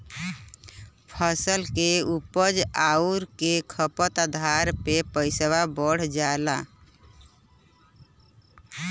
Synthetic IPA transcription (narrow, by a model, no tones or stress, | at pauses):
pʰəsəlkeupəd͡ʒauɾkekʰəpət̪ad̪ʱaɾpepəɪsəwabəɽ̤d͡ʒaela